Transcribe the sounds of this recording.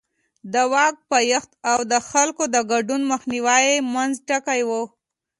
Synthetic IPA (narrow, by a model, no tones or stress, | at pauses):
d̪əwɑk̚pajəxt̪awd̪əxalkod̪əɡaɖunməxniwajemanzʈakajwo